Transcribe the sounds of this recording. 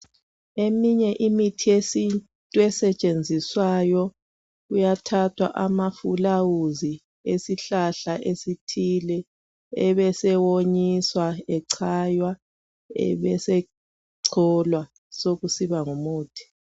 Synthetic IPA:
emiɲɛʔimitʰiesin | tʼuɛsɛt͡ʃʼend͡zʱiswajɔ | ujatʰatʰwa̰ʔamafulawuzi | esiɬaɬaʔesitʰilɛ | ɛβɛsɛwoɲiswaɛǀʰajwa | ɛ̰βɛsɛ | ǀʰɔlwa | soɣusiβaŋumoːtʰi̥

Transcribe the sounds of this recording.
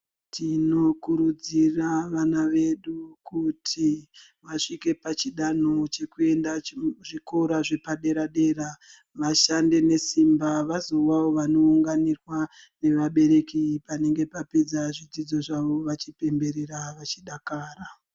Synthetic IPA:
tʰino̞kuɾud͡ziraʋanaʋe̞ɗukutʰi | ʋaʂike̞pat͡ʃiɗano̞t͡ʃe̞kue̞ndaʐikoɾaʐe̞paɗe̞ɾaɗe̞ɾa | ʋaʃande̞ne̞simbaʋazo̞wawo̞ʋano̞uŋɡanirwa | ne̞ʋaɓe̞ɾe̞kipane̞ŋɡe̞paped͡zaʐid͡zid͡zo̞ʐaʋo̞ʋat͡ʃipe̞mbe̞ɾeɾaʋat͡ʃiɗakaːra

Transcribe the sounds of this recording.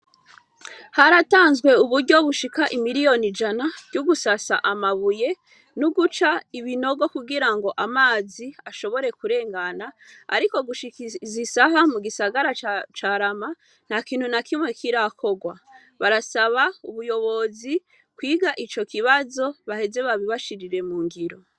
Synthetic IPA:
haɾataːnzɡwe̞uβuɾɟo̞βuʃikaʔimiɾijo̞nid͡ʒanḁɟuɡusasa̰ʔamaβuje̞ | nuɡut͡ʃaiβino̞ɡo̞kuɡiɾaŋɡo̞ʔamaːziaʃo̞βo̞ɾe̞kuɾe̞ːŋɡanaa̰ɾiko̞ɡuʃizisaɦamuɡisaɡaɾat͡ʃaɾama | n̥hakiːn̥hunakimwe̞kiɾakʰo̞ɡwa | βaɾasaβauβujo̞βo̞zi | kwiːɡaʔit͡ʃo̞kiβazo̞βahe̞ze̞βaβiβaʃiɾiɾe̞muːŋɡiɾo̞

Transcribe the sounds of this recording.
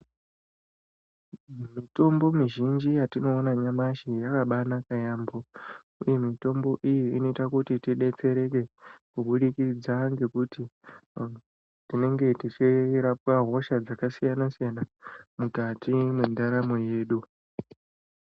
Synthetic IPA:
mito̞mbo̞miʒind͡ʒijatino̞ːnaɲamaʃijakaɓanakajaːmbo | uje̞mito̞mbo̞ʔijiino̞itakutitiɗe̞t͡se̞ɾe̞ke̞kuɓuɗikid͡zaŋɡe̞kuti | tine̞ŋɡe̞tit͡ʃiɾap̚waɦo̞ʃad͡zakasijanasijanamukatimwendaɾamo̞je̞ːɗu

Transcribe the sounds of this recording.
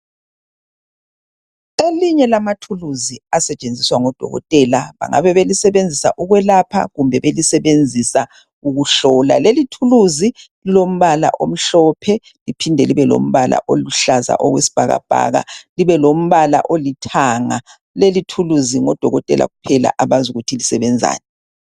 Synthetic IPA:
eliɲɛlamatʰuluziasɛt͡ʃʼend͡zʱiswaŋɔd̥ʱɔ̰ɣɔ̰tʼɛlaβa̰ŋa̰βɛβelisɛβend͡zʱisa̰ʔuɣwɛlapʰa̰ɣumbʱɛβelisɛβend͡zʱisa | uɣuɬɔːla̰lelitʰuluzililom̩βala̰ʔom̩ɬɔːpʰɛ | lipʰindʱɛliβɛlo̰m̩βala̰ʔoluɬaza̰ʔɔɣwḛsi̥b̥ʱaɣa̰b̥ʱa̰ɣa̰liβɛlom̩βala̰ʔolitʰaːŋa | lelitʰuluziŋɔd̥ʱɔɣɔtʼɛ̰lʔa̰ɣupʰɛla̰ʔaβazʱuɣutʰilisɛβɛnd͡zʱa̰ːnɛ

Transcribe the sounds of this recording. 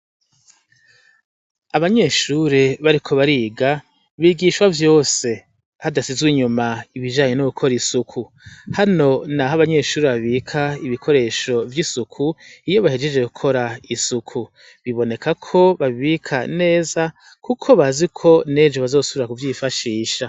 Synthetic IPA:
aβaɲe̞ːʃuːɾeβaɾikʰo̞βaɾiːɡa | βiɡiːʃwavjo̞ːse̞ | hadasizɡwiɲumaiβiʒaːɲe̞nuukʰo̞ɾisukʰu | hano̞naɦaβaɲe̞ːʃuːɾeβaβikʰaiβikʰo̞ɾe̞ːʃo̞vjisukʰuijo̞βahed͡ʒe̞d͡ʒekukʰo̞ɾaisukʰu | βiβo̞ne̞kakʰo̞βaβiβikʰane̞ːza | kukʰo̞βazikʰo̞ne̞d͡ʒoβazo̞ːsuβiɾakuvjifaʃiːʃa

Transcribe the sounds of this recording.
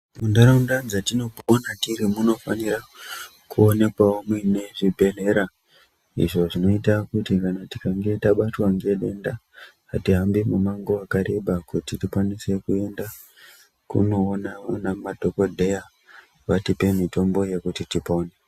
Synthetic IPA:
mundaɾaundanzatino̞ponatiɾimuno̞fanira | kʰuone̞kwaomwine̞ʐibʱe̞le̞ɾa | ḭʐo̞ʐino̞itakutikanati̥kaŋɡe̞taɓatwaŋɡe̞ɗe̞nda | atiɦambimumaŋɡoakaɾe̞ɓakutitikwanise̞kue̞nda | kṵno̞ːnaanamadʱokodʱe̞ja | ʋatipe̞mito̞mbo̞je̞kutitipoːne

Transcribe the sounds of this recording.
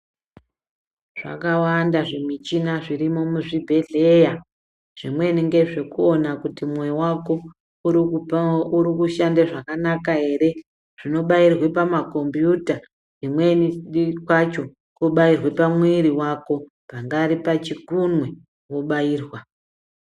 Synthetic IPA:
ʐ̥a̰kawandaʐemit͡ʃinaʐirimo̞muʐibʱe̞ɮeja | ʐ̥imwe̞niŋɡe̞ʐe̞kuo̞nakutimwewako̞ | uɾiuuɾikuʃandaʐakanakaɦe̞ːɾe̞ | ʐ̥ino̞ɓairwe̞pamako̞mbjuta | imwe̞niikwat͡ʃo̞ | kuɓairwe̞pamwiɾiwako̞ | paŋɡaɾipat͡ʃikunwe̞ | wo̞ɓaiːrwa

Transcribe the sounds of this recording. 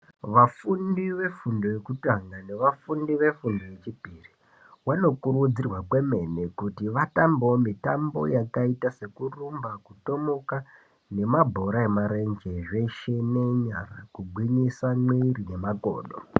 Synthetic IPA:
ʋafundiʋe̞fundo̞je̞kutaŋɡane̞ʋafundiʋe̞fundo̞je̞t͡ʃibʱiri | wano̞kurud͡zirwakwe̞me̞nekutiʋatambomitambo̞̰jakaitase̞kurumbakuto̞moka | ne̞mabʱo̞ɾaemaɾe̞nd͡ʒe̞ʐe̞ʃene̞ɲara̰kuɡʱwiɲisamwirine̞maɡo̰ːɗo̰

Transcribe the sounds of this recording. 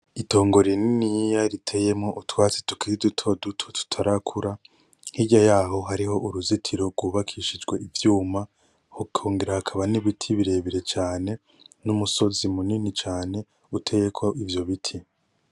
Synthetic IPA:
ito̞ːŋɡo̞ɾininijaɾitʰeje̞mŋo̞ʔutwaːt͡si̥tu̥kʰiɾidutʰo̞dutʰo̞tʰu̥tʰaɾakʰuɾa | hiɟajaːɦo̞ɦaɾiho̞ʔuɾuzitʰiɾo̞ɡwuːβakʰiːʃid͡ʒɡwe̞ivjuːma | hukʰoːŋɡeɾahakʰaβaniβitʰiβiɾe̞ːβiɾe̞t͡ʃaːne̞ | numuso̞zimuninit͡ʃaːne̞ | utʰe̞je̞kʰoʔivjo̞βitʰi

